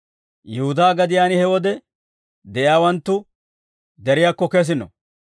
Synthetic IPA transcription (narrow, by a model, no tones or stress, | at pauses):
jɛhʊd̪aːɡɐd̪ɪjaːnɪhɛwɔd̪ɛ | d̪ɛʔjaːwɐnt̪ːʊ | d̪ɛɾɪjaːkːɔkɛs̬ɪnɔ̰